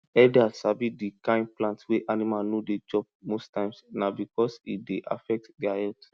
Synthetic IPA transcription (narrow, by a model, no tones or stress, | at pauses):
ɛldasabidikãɪ̃nplãntweʔanimalnoded͡ʒɔp̚mostãɪ̃msnabikɔsḭdeʔa̰fɛk̚tdɛahɛlt